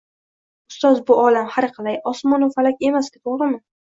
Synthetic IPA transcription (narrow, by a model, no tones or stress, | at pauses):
ʊst̪ɒzbʊɒlamhaɾqʰɑlˠajɒsmɒnofalakʲe̞maskʲɪt̪ʰoʁɾɪmɪ